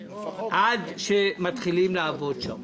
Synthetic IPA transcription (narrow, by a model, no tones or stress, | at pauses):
ʔad̪ʃemat̪χilimlaavo̞dʃa̰m